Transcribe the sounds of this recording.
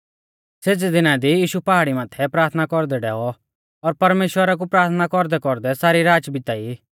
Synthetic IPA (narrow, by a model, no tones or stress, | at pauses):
seːd͡zid̪ɪnad̪ijiːʃupaɦaɽimaːt̪ʰɛpɾaːɾt̪ʰnakɔɾd̪ɛɖɛːɔ | ɔːɾpɐɾmeːʃwəɾak̬upɾaːɾt̪ʰnakɔɾd̪ɛkɔɾd̪ɛsaːɾiɾaːd͡ʒbɪt̪aiː